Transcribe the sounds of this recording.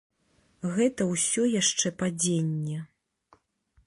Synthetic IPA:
ɣɛt̪ɐwsʲɔjaʂt͡ʂɛpad͡zʲenʲːɛ

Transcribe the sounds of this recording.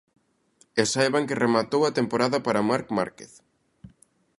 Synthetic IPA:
esajβaŋkeremat̪owɐt̪empoɾaðɐpaɾamaɾkma̰ɾkeθ

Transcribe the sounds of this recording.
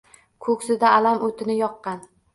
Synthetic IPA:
kʰɵksɪd̪aːlamʔot̪ʰɪnɪjɒqːɑn

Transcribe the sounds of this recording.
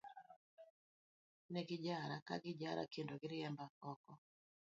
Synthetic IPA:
nɛɡɪd͡ʒaɾaka̰ɡɪd͡ʒaɾa̰kendoɡɪɾɪɛmbakɔkɔ

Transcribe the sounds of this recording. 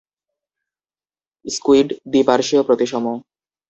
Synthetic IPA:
skuiɖd̪ipaɾʃiopɾot̪iʃɔmo

